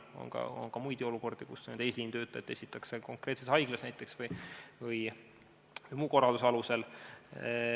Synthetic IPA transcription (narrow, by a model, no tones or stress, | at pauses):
o̰nkɑ̰o̰nkɑmujd̪̥io̞luko̞rd̪̥ikused̪ejsliːnt̪ø̞ːt̪ˑːɑet̪ːe̞sʲit̪ːˑɑkseko̞ŋkre̞ːt̪sesɑjɡ̥lɑsnæjt̪ˑːe̞ksvɯjvɯj | vɯjmuːko̞ɾɑld̪usɑluse̞l